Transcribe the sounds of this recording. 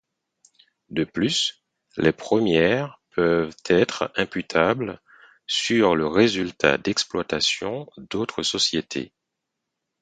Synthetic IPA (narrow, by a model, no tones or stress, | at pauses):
d̪əplys | lɛpχəmjɛʁpʰœvt̪ʰɛt̪χɛ̃pyt̪ʰabl | syʁləʁezylt̪ʰa̰d̪ɛksplwat̪asjɔ̃d̪ot̪χəsɔsjet̪ʰḛ